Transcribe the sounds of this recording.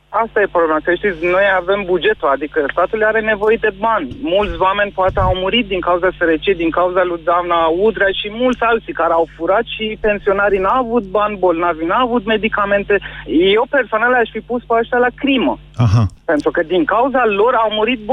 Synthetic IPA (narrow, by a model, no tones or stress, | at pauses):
ast̪aje̞pɾoblemakəʃt̪it̪sʲno̞jave̞mbud͡ʒe̞t̪ulad̪ikəst̪at̪ulaɾe̞ne̞vo̞je̞d̪e̞banʲmult̪sʲowame̞nʲpoat̪eawmuɾit̪̚d̪iŋkauzaseɾət͡ʃiejd̪iŋkauzalujd̪avnaud̪ɾajʃimult̪sʲalt̪sikaɾeawfuɾat̪ʃipe̞nsio̞naɾinaavut̪̚banʲbo̞lnavinaːvut̪me̞d̪ikame̞nt̪e̞jewpe̞rsoanalaʃʲfipuspaʃt̪alakɾimə̰ | ɦpe̞nt̪ɾukəd̪iŋkauzalo̞ɾawmuɾit̪̚b